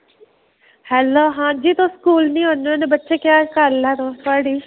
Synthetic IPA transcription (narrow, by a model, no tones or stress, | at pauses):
hɛloːɦãːd͡ʒiːt̪oːskuːlnĩːɦonoːnebətːʃeːkjaːkəɾlɛːɾoːt̪ʰʊaːɽiː